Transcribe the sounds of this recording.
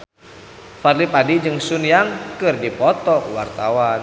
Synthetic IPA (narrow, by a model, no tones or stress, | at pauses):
farlipadid͡ʒɨŋsunjaŋkɨrdipɔt̪ɔkwart̪awan